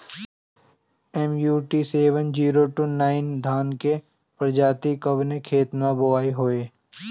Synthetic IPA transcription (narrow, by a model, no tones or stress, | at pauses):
ɛmjuːʈiseːʋənd͡ʒiːɾoʈunaːɪnd̪ʱaːnke | pɾəd͡ʒaːt̪ikəbnekʰeːt̪naboʋaːiɦoːeː